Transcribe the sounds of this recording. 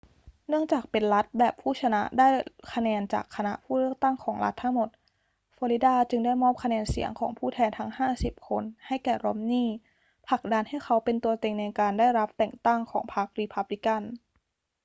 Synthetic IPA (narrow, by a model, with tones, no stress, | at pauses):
nɯ˥˩əŋt͡ɕaː˨˩k̚pe˧nla˦˥t̪̚bɛː˨˩pʰːuː˥˩t͡ɕʰa˧na˦˥ʔdaː˥˩jkʰa˧nɛː˧nt͡ɕa̰ː˨˩kʰːa˧na̰˦˥ʔpʰuː˥˩lɯ˥˩ək̚t̪a˥˩ŋkʰɔː˩˦ŋɾa˦˥t̪ʰːa˦˥ŋmo˨˩t̪̚ | fɔː˧li˦˥daː˥˩t͡ɕɯ˧ŋdaː˥˩jmɔː˥˩m̚kʰa˧nɛː˧nsḭ˩˦əŋkʰɔ̰ː˩˦ŋpʰuː˥˩t̪ʰɛː˧nt̪ʰa˦˥ŋhaː˥˩si˨˩p̚kʰo˧nha˥˩jkɛː˨˩ɾo̰˧˦˥mniː˥˩ | pʰla˨˩k̚da˧nha˥˩jkʰa˦˥wpe˧nt̪u˧ɐt̪e˧ŋna˧jkaː˧ndaː˥˩jɾa˦˥p̚t̪ɛː˨˩ŋt̪a˥˩ŋkʰɔ̰ː˩˦ŋpʰa˦˥k̚ɾi˧pʰa˦˥p̚li˧˦˥ka˥˩n